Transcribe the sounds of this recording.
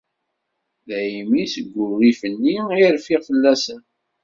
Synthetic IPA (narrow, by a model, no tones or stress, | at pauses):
ðæjimisəɡʷːʊrifənːiiɾfiʁfəlːæsən